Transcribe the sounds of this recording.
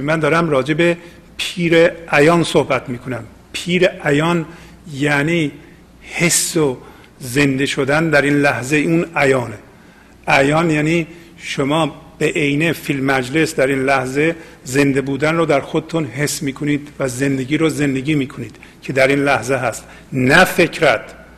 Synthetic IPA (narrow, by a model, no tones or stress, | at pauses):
mænd̪ɒːɾæmrɒːd͡ʒe̞be | pʰiːɾeʔæjɒːnsohbæt̪miːkʰo̞næm | pʰiːɾeʔæjɒːn | jæːniː | hesːo | ze̞nd̪eʃod̪ænd̪æɾinlæhzeunæjɒːne | ʔæjɒːnjæːniː | ʃomɒːb̥eʔejnefilmæd͡ʒle̞sd̪æɾinlæhze̞ | ze̞nd̪ebuːd̪ænroːd̪æɾxod̪et̪ʰunɦe̞sːmiːkʰoniːd̪væze̞nd̪eɟiːɾoze̞nd̪eɡiːmiːkʰo̞niːd̪̥ | cʰe̞d̪æɾiːnlæhzeɦæst̪ | næfe̞cʰɾæt̪